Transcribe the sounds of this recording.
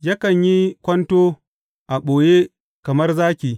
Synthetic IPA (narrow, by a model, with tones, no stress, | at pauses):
ja˦kɐ˨ɲji˦kʷɐ˦ntoː˦ | ʔa˨ɓoː˨je˦ | kɐ˨mɐ˦rzaː˦kʲiː˨